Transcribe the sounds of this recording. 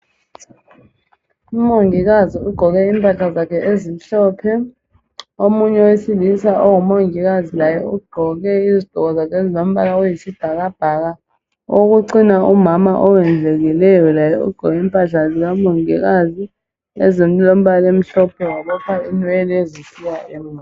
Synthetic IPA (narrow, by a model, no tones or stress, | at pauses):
umoŋik̬aziuɡ͡ǃ̥ʱɔk̬ɛiːmpʼaɬazakʰɛʔezim̩ɬɔpʰɛ | omuɲɛwesilisaʔɔŋɔmoŋik̬azilajɛuɡ͡ǃ̥ʱɔk̬ɛizid̥ʱɔk̬ɔzakʰezilom̩ɓalaojisib̥ʱak̬ab̥ʱak̬a | ok̬uǀinaumamaʔɔwɛnd͡ɮʱek̬ilɛjɔlajɛṵɡ͡ǃ̥ʱɔk̬ɛiːmpʼaɬazik̬amoŋḭk̬azi | ɛ̰zem̩lom̩ɓalem̩ɬɔpʰɛwaɓɔpʰainwɛlezisiwaʔem̩